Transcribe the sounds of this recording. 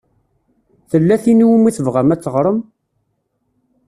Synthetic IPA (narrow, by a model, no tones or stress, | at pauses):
θəlːæθiniwumiθəvʁæmæt͡sːəʁɾˤəm